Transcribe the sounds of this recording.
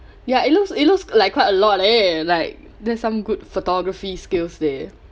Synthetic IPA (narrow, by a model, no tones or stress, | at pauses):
jaitlusit̚luslaɪkʰːwaɪtəlɔt̚elaɪk̚ | dɛsãmɡutfotɔɡɹəfiskɪlsdɛ